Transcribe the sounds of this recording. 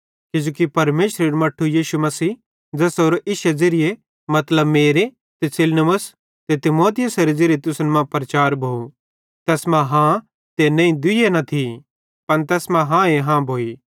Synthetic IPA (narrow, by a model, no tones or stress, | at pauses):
kɪd͡ʒoːkipɐɾmeːʃɾeɾumɐʈʰːujiːʃumɐsiː | d͡ʒɛːsoːɾoʔɪʃɐd͡zɪɾɪe | mɐt̪ləbmeːɾe | t̪esɪlnɐməs | t̪et̪ɪmoːt̪ɪjəsɐɾed͡zɪɾet̪ʊsnmãpɾɐt͡ʃaːɾbʱoːu | t̪ɛːsmãɦã | t̪enɐ̃ĩd̪ʊenɐt̪ʰi | pɐnt̪ɛːsmãɦãeɦãbʱoːi